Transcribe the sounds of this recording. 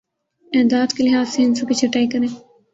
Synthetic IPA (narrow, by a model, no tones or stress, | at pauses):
ɛːd̪aːd̪kelɪɦaːzseɪnsokit͡ʃʰɐʈaːikɐɾẽː